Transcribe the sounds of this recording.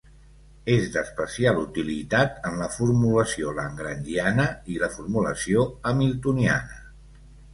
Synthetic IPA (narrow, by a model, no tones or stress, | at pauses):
ezd̪əspəsialut̪ilit̪at̪ənləfuɾmuləsioləŋɡɾənd̪ianəiləfuɾmulə̰sioəmilˠt̪unia̰nə